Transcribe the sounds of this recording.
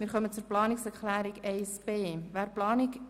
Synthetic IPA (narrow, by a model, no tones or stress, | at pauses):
mɪːɾχœmət͡suɾplɑːniksɛɾχlæːɾiɡɛɪsbeːʋæːɾplɑːnik